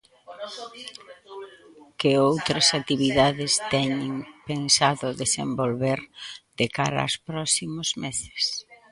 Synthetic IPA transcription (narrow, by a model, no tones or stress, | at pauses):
kɪowt̪ɾɐsat̪iβiðaðɪst̪ɛɲɪŋpensaðʊðesḛmbolβeɾd̪ekaɾɐ̰spɾɔsimʊzmese̥s